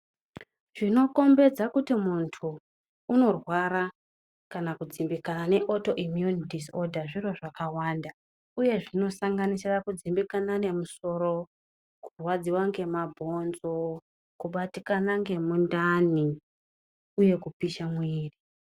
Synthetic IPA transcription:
ʐ̥ino̞ko̞mbe̞d͡zakutimuntʰuː | no̞rwaɾa | kanakud͡zimbikanane̞ʔo̞to̞ʔimjunitiso̞dʱaʐiro̞ʐakawaːnda | uje̞ʐino̞saŋɡanisirakud͡zimbikanane̞muso̞ɾo̞ | kurwad͡ziwaŋɡe̞mabʱo̞nzo̞ | kuɓatikanaŋɡe̞mundani | uje̞kupiʃamwiːri

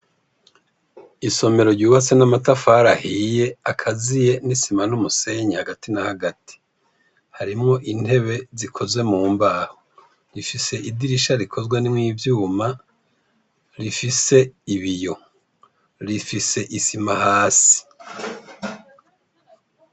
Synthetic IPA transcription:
iso̞me̞ɾo̞ɾɟuːβasenamatafaɾahije̞akʰazije̞nisimanumuse̞ɲehaɡatinahaɡati̥ | haɾimŋo̞ʔin̥he̞βe̞zikʰo̞ze̞muːmbaho | ɾifise̞ʔidiɾiʃaɾikʰo̞zɡwanimŋiːvjuːma | ɾifise̞iβijo̞ | ɾifise̞ʔisimahaːsi̥

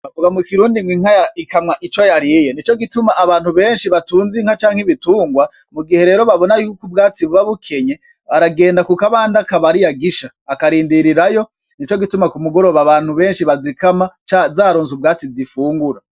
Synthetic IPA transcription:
avuɡamukiɾuːndiŋɡwiŋhajaikamŋaʔit͡ʃo̞jaɾijenit͡ʃo̞ɡitumaʔːβaːnhuβe̞ːnʃiβatuːnziŋ̥hat͡ʃaːŋ̥heβituːŋɡwa | muɡihe̞ɾe̞ːɾo̞βaβo̞najuːkub̚ɡaːt͡siβuβaβukʰe̞ɲe | βaɾaɡe̞ːndakukaβaːndakaβaɾijaɡiʃaːkaɾiːndiɾiɾajo̞ | nit͡ʃo̞ɡitumakumuɡo̞ɾo̞βaβaːn̥huβe̞ːnʃiβazikamat͡ʃazaːɾoːnzub̚ɡaːt͡sizifuːŋɡuɾa

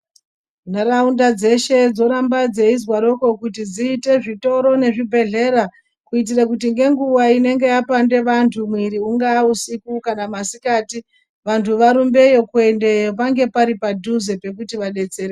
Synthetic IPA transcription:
naraundad͡ze̞ʃe̞d͡zo̞ɾambad͡ze̞izwaɾo̞ko̞kutid͡ziːte̞ʐito̞ɾo̞ne̞ʐibʱe̞ɮe̞ɾa | kuit̬irakutiŋɡe̞ŋɡuʋaine̞ŋɡe̞japande̞ʋantʰumwiɾiuŋɡaːusikukanamasikaːti | ʋantʰuʋaɾumbe̞jo̞kwende̞jopaŋɡe̞paɾipadʱuze̞pe̞kutiʋaɗe̞t͡se̞ɾe

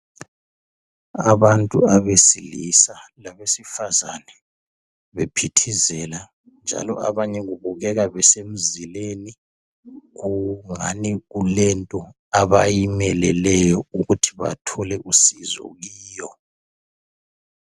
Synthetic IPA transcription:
aβantʼuaβesilisalaβesifazanɛ | βepʰitʰizɛla | nd͡ʒʱa̰lɔ̰ʔa̰βaɲɛɣuβuɣɛɣaβɛsem̩zileni | ɣuŋa̰niɣulɛntʼɔ | aβajimɛlɛlɛjɔuɣutʰiβa̰tʰɔlɛʔusizɔ̰ɣiːjɔ

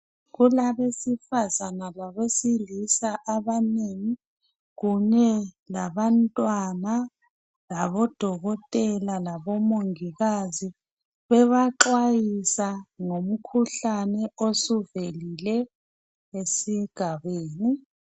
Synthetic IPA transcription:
ɣulaβesifazanalaβesilisaʔaβaneːŋi | ɣuɲɛlaβantʼwana | laβɔd̥ʱɔɣɔtʼɛlalaβɔmoŋiɣazi | βɛβaǁwajisaŋom̩kʰuɬanɛosuvelilɛ | esiɡ̥ʱaβeːni

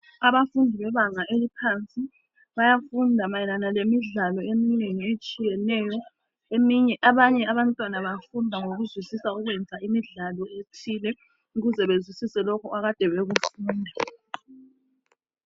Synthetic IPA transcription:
aβafundʱiβɛβaŋaʔelipʰant͡sʼi | βajafundʱamajɛnanalemiɮalɔemineŋiet͡ʃʼijɛnɛjɔ | emiɲɛʔaβaɲɛaβantʼwanaβajfundʱaŋoɣuzwisisauɣwɛnd͡zʱaimiɮalɔetʰilɛ | uɣuzɛβezwisisɛlɔkʰɔaɣad̥ʱɛβeɣufuːndʱa

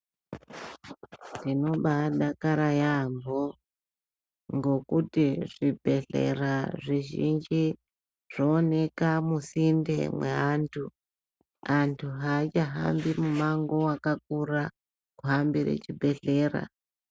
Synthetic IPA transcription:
ndino̞ɓaɗakaɾajambo | ŋɡo̞kutiʐibʱe̞ɮḛraʐiʒind͡ʒi | ʐ̥oːne̞kamusindḛmwḛɦantʰu | antʰuɦat͡ʃaɦa̰mbimumaŋɡo̞wakak̚uɾa | kuɦambiɾḛt͡ʃibʱe̞ɮe̞ːɾa̰

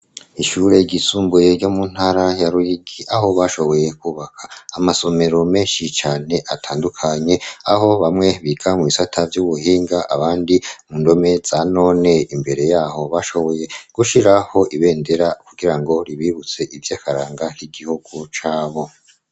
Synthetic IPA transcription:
iʃuɾe̞iɡisuːmbuje̞ɾɟomun̥haɾajaɾuiɡiʔaho̞βaʃo̞βo̞je̞kuːβakʰaːmaso̞me̞ɾo̞meːʃit͡ʃaːne̞ʔatʰaːndukʰaɲe̞aɦo̞βamŋe̞βiɡʰamuβisatʰavjuβuɦiːŋɡaʔaβaːndimundo̞me̞z̥ano̞ne̞imbe̞ɾe̞jaːho̞βaʃo̞βo̞je̞ɡ̥uʃiɾaho̞ʔiβe̞ːnde̞ɾakuɡiɾaŋɡo̞ɾiβiβut͡se̞ʔivjaːkaɾaːŋɡahiɡihuɡ̥ut͡ʃaːβo̞

